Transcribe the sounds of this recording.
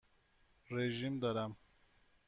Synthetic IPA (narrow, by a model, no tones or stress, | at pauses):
ɾeʒimd̪aɾam